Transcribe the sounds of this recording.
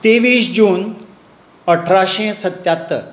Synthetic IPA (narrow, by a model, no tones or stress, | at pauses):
t̪eʋiːsd͡ʑuːn | əʈʰɾaɕẽsət̪jat̪ːə̰